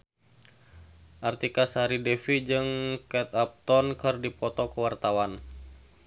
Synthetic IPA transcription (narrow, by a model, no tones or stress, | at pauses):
ʔart̪ikasaɾidɛfid͡ʒɨŋkɛt̪ap̚t̪ɔnkɨrdipɔt̪ɔkəwart̪awan